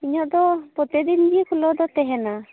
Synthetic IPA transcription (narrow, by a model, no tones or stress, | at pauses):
iɲɔʔd̪ɔpɔt̪ɛd̪ind̪iekʰulɔd̪ɔt̪ɛɦɛna